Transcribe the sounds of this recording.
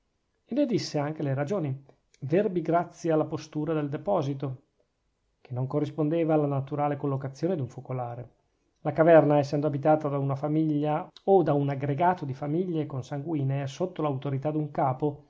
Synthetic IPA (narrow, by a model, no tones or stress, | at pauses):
ened̪isːeaŋk̟eleɾad͡ʒoːni | verbiɡɾat̪sːjealːapost̪uːɾad̪eld̪epɔːzit̪o | k̟enːoŋkorːispond̪eːvaːlːanat̪uɾaːlekolːokat̪sːjoːned̪uɱfokolaːɾe | lakavɛrnaɛsːɛnd̪oabit̪aːt̪ad̪aunafamiʎːaod̪aunaɡɾeɡaːt̪od̪ifamiʎːekonsaŋɡwiːnesot̪ːolawt̪oɾit̪ad̪uŋkaːpo